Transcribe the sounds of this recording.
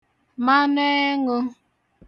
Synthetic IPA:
ma˦ne˦e˦ŋʊ˦

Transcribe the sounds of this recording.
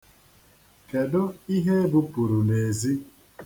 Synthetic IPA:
ke˨dʊ˦i˦ɦe˦bʊ˦pu˨ɾu˨ne˨zi˦

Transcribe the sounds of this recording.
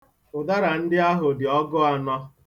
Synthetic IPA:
ʊ˨da˦ɾa˨n̩˦dɪ˦a˦ɦʊ˨dɪ˨ɔ˦ɡʊ˦a˨nɔ˦

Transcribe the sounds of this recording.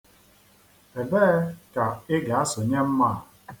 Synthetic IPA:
e˨beː˦ka˨ɪ˦ɡa˨a˦sʊ˨ɲe˦m̩˦ma˦˨

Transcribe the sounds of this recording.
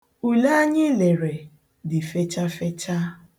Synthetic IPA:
u˨la˦ɲɪ˦le˨ɾe˨ | dɪ˨fe˦t͡ʃa˦fe˦t͡ʃa˦

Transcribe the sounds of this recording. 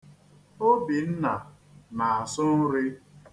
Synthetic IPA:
o˦bi˨n̩˦na˨ | na˨a˨sʊ˦n̩˦ɾɪ˦

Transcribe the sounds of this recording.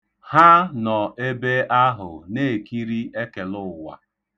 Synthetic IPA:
ha˦nɔ˨e˦be˦ʔa˦ɦʊ̰˨ne˦˨ki˦ɾi˦ʔe˦ke˨lʊ˦˨wa̰˨

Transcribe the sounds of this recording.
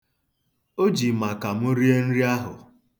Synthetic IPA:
o˦d͡ʒi˨ma˨ka˨m̩˦ʊ˦ɾi˦e˦n̩˦ɾi˦a˦ɦʊ̰˨

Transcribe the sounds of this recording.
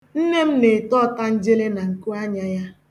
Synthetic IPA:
n̩˦ne˦m̩˦ne˨tɔ˦˨ta˦n̩˦d͡ʒe˦le˦na˨ŋ̩˨ku˦a˦ɲa˦ja˦

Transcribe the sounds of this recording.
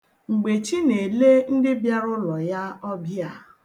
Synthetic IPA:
ŋ͡m̩˨ɡ͡be˨t͡ʃi˦ne˨le˦n̩˦dɪ˦bja˦ɾʊ˦lɔ˨ja˦ɔ˦bja˨

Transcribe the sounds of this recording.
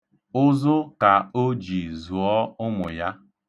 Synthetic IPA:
ʊ˦zʊ˦ka˨o˦d͡ʒi˨zu˨ɔ˦ʊ˦mʊ˨ja˦

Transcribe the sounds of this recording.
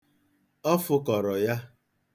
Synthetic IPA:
ɔ˦fʊ˦kɔ˨ɾɔ˨ja˦

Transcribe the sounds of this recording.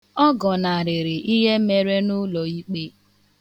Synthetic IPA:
ɔ˦ɡɔ˨na˨ɾɪ˨ɾɪ˨ʔi˦ɦe˦me˦ɾe˦nʊ˦lɔ˨i˦k͡pe˦

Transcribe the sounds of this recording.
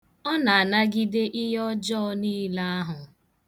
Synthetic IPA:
ɔ˦na˨a˨na˦ɡi˦de˦ʔɪ˦ɦɔ˦d͡ʒɔ˦niː˦la˦a˦ɦʊ˨

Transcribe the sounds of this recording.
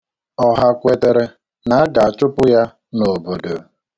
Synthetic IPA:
ɔ˨ɦa˦kʷe˨te˨ɾe˦ | na˨˦a˦ɡa˨a˨t͡ʃʊ˦pʊ˦ja˦ | no˨bo˨do˨

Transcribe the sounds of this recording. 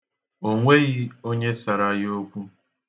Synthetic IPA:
o˦ŋʷe˦ɣi˦o˦ɲe˦sa˨ɾa˦jo˦kʷu˦

